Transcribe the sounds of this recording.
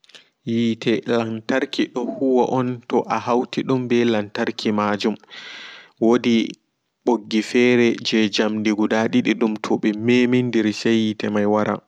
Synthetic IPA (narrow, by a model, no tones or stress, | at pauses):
jiːtʰɛlantaɾkiɗɔhuwaʔɔntɔʔahawtiɗumbɛlantaɾkʰimad͡ʒum | wodi | ɓoɡːifɛːɾɛd͡ʒɛd͡ʒamdiɡudaɗiɗiɗumtʰɔɓɛmemindiɾsajːitɛmajwaɾa̰